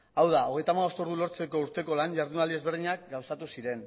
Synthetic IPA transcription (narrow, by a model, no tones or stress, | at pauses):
awðao̞ɣ̞e̞jt̪amaβo̞st̪oɾðulo̞ɾt͡se̞ko̞uɾt̪e̞ko̞laɲʝaɾðunald̪ie̞zβeɾðiɲak̚ɡawsat̪usiɾe̞n